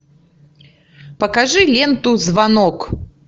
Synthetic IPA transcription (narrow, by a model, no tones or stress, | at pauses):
pɐkaʐɨlʲɛnt̪uzvanɔk